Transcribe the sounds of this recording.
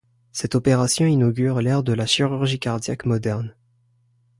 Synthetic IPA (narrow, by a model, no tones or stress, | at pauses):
sɛt̪ɔpeʁasjɔ̃inɔɡʲyʁlɛʁd̪əlaʃiʁyʁʒikaʁd̪jakmɔd̪ɛʁn